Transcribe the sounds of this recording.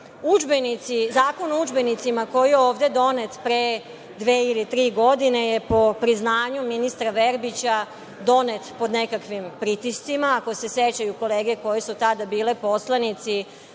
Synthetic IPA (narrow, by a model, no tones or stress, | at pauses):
ud͡ʒbenit̪sizaːkonoud͡ʒbe̞nit̪simako̞jijeoːʋd̪e̞d̪o̞ne̞t̪pɾe | d̪ʋeːilit̪ɾiːɡo̞d̪ine̞je̞po̞pɾiznaːɲuminist̪ɾaʋe̞ɾbit͡ɕa | d̪o̞net̪po̞d̪nekakʋimpɾit̪ist̪simaːko̞se̞set͡ɕajuko̞leːɡe̞ko̞jesut̪ad̪abiːlepo̞slanit̪si